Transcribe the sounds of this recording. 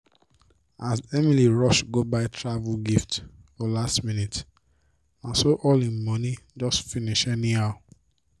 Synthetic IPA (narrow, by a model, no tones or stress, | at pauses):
azɛmiliɹɔʃɡobaɪtʰɹavulɡiftfɔlastmĩnit | nasoʔɔlĩmɔ̃nid͡ʒɔstfiniʃɛnĩa